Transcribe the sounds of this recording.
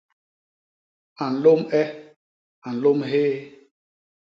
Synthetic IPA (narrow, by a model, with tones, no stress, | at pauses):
a˨n̩˨lo˦mɛ˦ | a˨n̩˨lo˦mɦeː˦